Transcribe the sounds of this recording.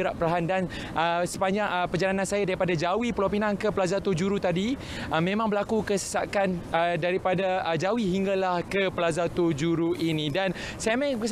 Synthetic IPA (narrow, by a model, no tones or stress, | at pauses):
əɾaʔpəɾaɦandan | ʔəsəpaɲd͡ʒaŋəpəd͡ʒalanãnsajadaɾipadad͡ʒawipəlopinankəpəlazat̪ud͡ʒuɾut̪adi | ʔəmẽmãŋbəlakukəsə̥sa̰kanədaɾipadaəd͡ʒawiɦiŋɡalahkəpəlazat̪ud͡ʒuɾuʔinĩdan | sajamakəs